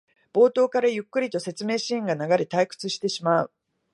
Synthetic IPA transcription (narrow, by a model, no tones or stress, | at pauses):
b̥o̞ːt̪o̞ːkaɾajɯ̟kːɯ̟ɾʲit̪o̞se̞t͡sɨme̞ːɕĩŋɡanaɡaɾʲit̪aikɯ̟̥t͡sɨɕi̥t̪e̞ɕimaɯ̰